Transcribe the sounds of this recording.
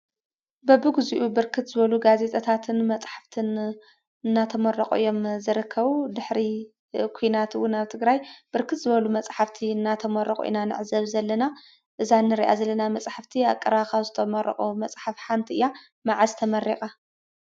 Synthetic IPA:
bɐbɨɡziʔubɨɾkʰɨt̪z̥ɨβɐluɡaze̞t̪ʼɐt̪ʰat̪ʰɨnmɐt͡sʼħḁft̪ʰɨn | ɨnːat̪ʰɐmɐrːɐqʼṵʔɨjːo̞mzɨɾɨkʰːɐβud̪ɨħɾi | kʷʰujnat̪ʰwːʊnaβt̪ʰɨɡɾajb̥ɨɾkʰɨt̪zɨβɐlumɐt͡sʼħaft̪ʰiɨnːat̪ʰɐmɐrɐχʼṵʔḭnanɨ̰ʕzɐβzɐlːɐna | ʔɨzanːɨɾiʔa̰zɐlːɐnamɐt͡sʼħaft̪ʰiakʼːɐɾakʰaβzɨt̪ʰɐmɐrɐ̰χʼumɐt͡sʼħafħant̪ʰiɨjːa | maʕazt̪ʰɐmɐrikʼa

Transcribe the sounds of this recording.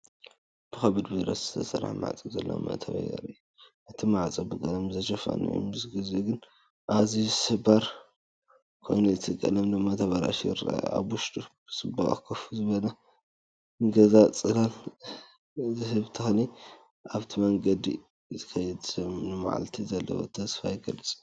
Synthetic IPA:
b̥ɨxɐβɨd̪biɾɐszɨ̥t̪ʰɐsɐ̰ɾa̰ħma̰ʕt͡sʼizɐ̰lːɐ̰ma̰t̪ʰɐβɐ̰jɐ̰ɾij | ʔɨt̪ʰimaʕt͡sʼibɨkʼɐlɐmzɐʃɐfa̰nḭj̰mɨsɡɨzuɡɨn | ʔazizsɨbaɾ | kʰo̞jnuzɨt̪ʰɨkʼːɐ̰lɐmnɨmːat̪ʰɐβaɾa̰ʃɾa̰a̰βwʊʃt̪ʼubsɨba̰kʰɐfuzɨβɐlɐ | ɨŋɡɐzat͡sʼɨlal | zɨhɨβt̪ʰɨxɐni | ʔaβt̪ʰimɐŋɡɐd̪ḭ | zɨ̥kʰɐjɛd̪sɨmnɨma̰ʕa̰lt̪ʰizɐlːɐ̰wo̰t̪ʰɐsfajɡɐlɨt͡sʼ

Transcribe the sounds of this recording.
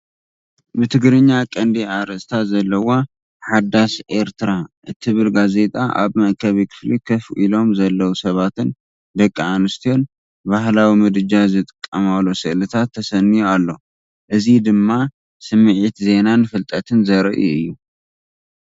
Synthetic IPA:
mɨt̪ʰɨɡɾɨɲːakʼɐnd̪iʕaɾɐst̪ʰazɐlːɐwo̞ | ħad̪ːasʔe̞ɾt̪ʰɨɾaʔɨt̪ʰɨβɨlɡaze̞t̪ʼa̰ʔa̰βmɐʔkʰɐβikʰɨ̥flikʰɐfʔilo̞mzɐlːɐwusɐβat̪ʰɨn | d̪ɐkʼːiʕanɨst̪ʰio̞n | bahlawimɨd̪ɨd͡ʒazɨt̪ʼɨkʼːɐmalːosɨʔlɨt̪ʰat̪ʰːɐsɐnːijualːo̞ | ʔɨzid̪ɨmːa | sɨmːɨʕit̪ze̞nanːɨfɨlt̪ʼɐt̪ʰɨnzɐɾʔiɨ̰jːu

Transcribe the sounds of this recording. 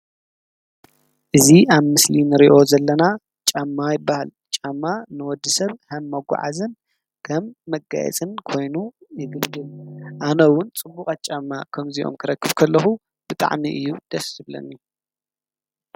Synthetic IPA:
ʔɨziaβmɨslinɨɾiʔo̞zɐlːɐna | t͡ʃʼamːajɪbːahal | t͡ʃʼamːanɨwɔd̪ːɨsɐβhɐmːɐɡʷa̰ʕa̰zɨn | kʰɐmːɐɡa̰jɛ̰t͡sʼɨnkʰo̞jnujɨɡɨbd̪ɨlʔanɐwʊnt͡sʼɨmbukʼat̪̚t͡ʃʼamːakʰɐmziʔo̞̰mkʰɨɾɐkːɨβkʰɐlːɐxu | b̥ɨt̪ʼa̰ʕmiʔɨjːud̪̥ɐsɨβlɐ̰nː

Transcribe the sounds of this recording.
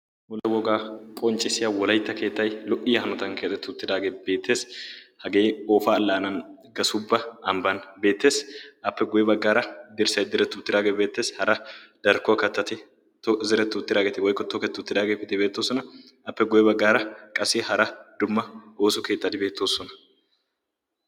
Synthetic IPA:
wɔlːɐwɔɡaːkʼɔnt͡ʃʼːɪsɪjɐwɔlɐjt̪ːɐke̞ːt̪ːɐjlɔʔːɪjɐhɐnɔt̪ɐnkeːt͡sʼːɛt̪ːʊʊt̪ːɪd̪aːɡeːbe̞ːt̪ʰːe̞ːshɐɡe̞ːoːfaːlːaːnɐn | ɡɐsʊbːɐɐmbɐnbe̞ːt̪ːe̞ːsʔɐpːɛɡʊjɛbɐɡːaːɾɐd̪ɪɾsɐjd̪ɪɾɛt̪ːʊʊt̪ːɪd̪aːɡebe̞ːt̪ːe̞ːshɐɾɐd̪̥ɐɾkʊɐkɐt̪ːɐt̪ɪ | zɪɾɛt̪ːʊt̪ːɪd̪aːɡet̪ɪwɔjkːɔt̪ːɔkɛt̪ːʊt̪ːɪd̪aːɡepːɪt̪ɪbe̞ːt̪ːoːsɔnɐ | ɐpːɛɡʊjɛbɐɡːaːɾɐkʼɐsɪhɐɾɐd̪̥ʊmːɐoːsʊke̞ːt̪ːɐt̪ɪbeːt̪ːo̞ːsɔnɐ̥

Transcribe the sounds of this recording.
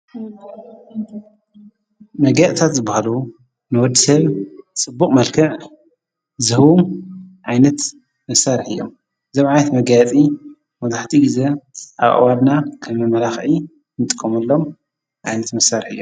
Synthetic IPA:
mɐɡɐʔt̪ʰat̪zɨbːahalu | nɨwɔd̪ːisɐβt͡sʼɨbːukʼmɐlkʰɨʕ | zɨhuʕajnɐt̪ | mɐsaɾħɨjːo̞̰m | ɨzomʕajnɐt̪mɐɡjat͡sʼi | mɐzaħt̪ʰiɡɨzeʔa̰βʔa̰wad̪nakʰɐmɐmɐlaxʔi | nɨt̪ʼɨ̥kʰːomɐlːo̞m | ʕajnɐt̪mɐsaɾħɨ̰jːo

